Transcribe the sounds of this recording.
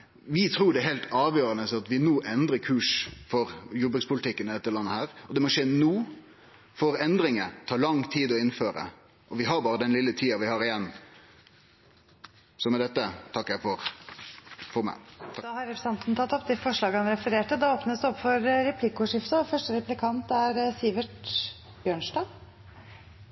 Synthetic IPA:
ʋɪt̪ʰɾuːɖɛɦɛlt̪ɑːʋjøːɾɑnəsɑt̪ʋɪnuːʔɛnd̪ɾəkʰʉːʂfɔɾjʊbəɡspʰʊlɪt̪ɪkːənɪd̪ɛt̪ːəlɑnːəhæːɾɔd̪ɛmɔʂeːnuː | fɔɾɛnd̪ɾɪŋət̪ʰɑːɾlɑŋt̪ʰiːd̪ɔɪnføːɾə̰ | ʔɔʋɪɦɑɾbɑːɾəd̪ɛnlɪlːət̪ʰiːɑʋɪhɑɾɪjɛnː | sɔmɛd̪ɛt̪ːət̪ʰɑkːjæɪfɔɾ | fɔɾmæ̰ɪd̪d̪ɑhɑɾɛpɾsɑnt̪nət̪ʰɑt̪ːɔpːd̪ɛfɔʂlɑːɡəhɑnɾɛfəɾeːʈəd̪ɑoːpnəsd̪ɛɔpːfɔɾɾɛpʰlɪkʊʂɪft̪əfœʂʈəɾɛplɪkʰɑnt̪æɾsiːʋəʈ | bjøːɳʂʈɑː

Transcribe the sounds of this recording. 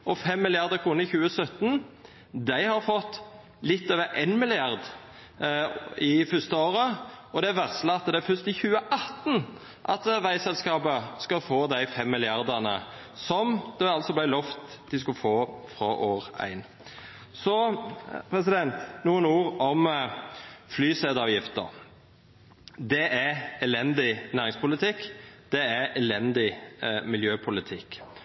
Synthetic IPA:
ɔfɛmːɪlɪɑʁd̪əkʰɾuːnəɾɪçʉːəsœt̪n | d̪æɪhɑɾfɔt̪ː | lɪt̪ːøːʋəʔenmɪlɪɑɾd̪ | ɪfœst̪əoːɾəɔd̪ɛæɾʋæʁslɑt̪d̪ɛæɾfœst̪ɪçʉːəʔɑt̪n̩ | ʔɑ̰t̪ʋæɪsɛlskɑːpəskɑfoːd̪æɪfɛmːɪlɪɑɾd̪ənə̰ | sɔmd̪̥ɛɑlt̪sɔblæɪlɔft̪d̪ɪskʉlfoːfɾɔʔoːʁæ̰ɪn | sɔpʰʁɛs̬ɪd̪ɛnt̪nuːənuːʁɔm | flyːsɛd̪ɑːʋjɪft̪ə̰ʁ | d̪ɛʔæɛlɛnd̪ɪnæːʁɪŋspʊlɪt̪ʰɪkːd̪̥ɛæʔɛlɛnd̪ɪmɪljøːpʰʊlɪt̪ʰɪkː

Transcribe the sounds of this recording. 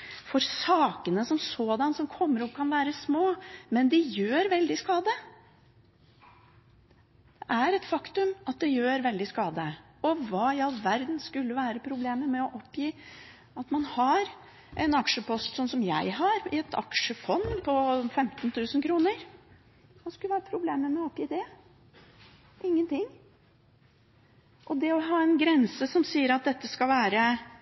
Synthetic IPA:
fɔɾsɑːkənəsɔmsɔːd̪ɑnsɔmkʰɔmːəɾɔpkʰɑnʋæːɾəsmoːmɛnd̪ɪjøːɾʋɛld̪ɪskɑːd̪ə | d̪̥ɛʔæɾɛt̪fɑkt̪ʉmɑt̪̚d̪ɛjøːɾʋɛld̪ɪskɑːd̪ə | ɔʋɑːɪɑlʋæɾd̪nskʉlːəʋæːɾəpʰɾʊbleːməmɛɔʔɔpːjiː | ɑt̪mɑnhɑɾ | ʔɛnɑkʃʂəpʰɔst̪sɔnsɔmjæɪɦɑɾɪɛt̪ʰɑ̰kʂəfɔnpʰɔfɛmt̪nt̪ʉːsən̩kʰɾuːnəɾ | hɑskʉləʋæːɾəpʰɾʊbleːməmɛɔɔpjiːd̪ɛ | ʔɪŋːənt̪ɪŋː | ʔɔd̪ɛɔɦɑːɛnɡɾɛnsəsɔmsiːəɾɑt̪̚d̪ɛt̪ːəskɑlʋæːɾə

